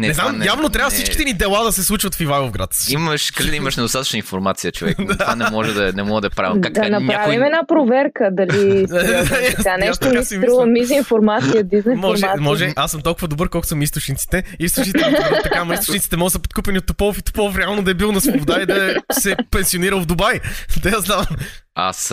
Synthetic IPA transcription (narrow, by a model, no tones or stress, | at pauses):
nɛɛznamjavnot̪ɾʲavəfsit͡ʃkki̥t̪ɛnid̪ɛlˠad̪ɐsɛslˠut͡ʃvɐt̪fivajˠovɡɾa̰t̪niməʃkɐlid̪ɐiməʃnɛd̪ost̪at̪ə̥t͡ʃnəinfoɾmat̪sijət͡ʃovɛ̰kd̪anɛmɔʒɛd̪ɐnɛmɔɡəd̪ɐpɾa̰vidaɐnɐɲɾaavimɛnapɾovɛɾkəd̪ɐliaaanɛʃt̪kasɾuvəmizinfoɾmat̪sijəd̪iznmɔʒɛmɔʒɛʔasːəmt̪ɔlˠkʊvəd̪obɤɾkɔlˠkʊ̥səmist̪oʊt͡ʃnit̪si̥t̪ɛist̪ot͡ʃnit̪ɛt̪ɐkamɐist̪ʊnit̪si̥t̪ɛmɔɡəsəpot̪̚kupɛnʲiot̪ːopɔfit̪o̥pɔlˠfɾɛalˠnod̪ɐɛbilˠnɐsvobod̪aid̪ɐsɛpɛ̃nsioniɾəlˠvd̪obajd̪ɛazd̪avɐma̰s